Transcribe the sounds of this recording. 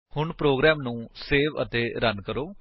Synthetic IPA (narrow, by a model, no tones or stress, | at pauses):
hʊɳpɾoːɡɾɛːmnũːseːʋə̰t̪eːɾənkəɾoː